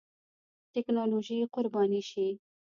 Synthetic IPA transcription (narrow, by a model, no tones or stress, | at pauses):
t̪ɪknɑloʒiqʊɾbɑniʃi